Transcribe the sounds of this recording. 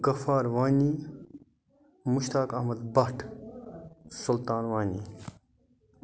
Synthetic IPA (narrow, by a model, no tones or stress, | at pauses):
ɡɐfaːɾwaːni | muʃt̪aːkɐhmɐd̪bɐhʈʰ | sult̪aːnwaːni